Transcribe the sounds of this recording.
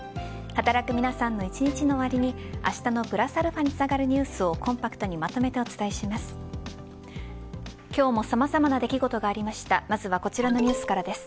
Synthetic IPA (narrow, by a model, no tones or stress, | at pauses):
hat̪aɾakɯ̟mʲinasãnːo̞it͡ɕiɲ̟it͡ɕino̞ːβaɾʲiɲ̟ia̰ɕi̥t̪ano̞bɯ̟ɾasaɾɯ̟ɸaɲ̟it͡sɨ̥aɡaɾɯ̟ɲ̟ɨːsɨo̞kʰõ̞mpakɯ̟̥t̪o̞ɲ̟imat̪o̞me̞t̪e̞o̞t͡sɨ̥t̪aeɕimasɨ̥ | kʲo̞ːmo̞samazamanad̪e̞kʲiɡo̞t̪o̞ɡaːɾʲimaɕi̥t̪amazɨβako̞t͡ɕiɾano̞ɲ̟ɨːsɨ̥kaɾad̪e̞sɨ̥